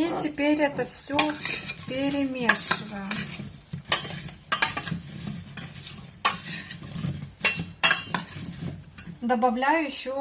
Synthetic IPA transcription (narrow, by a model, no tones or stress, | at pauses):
ɪtʲɪpʲeɾʲɛt̪əfsʲopʲɪɾʲɪmʲeʂɨvəjə | d̪ɐbɐvlʲæjʊɕːɪ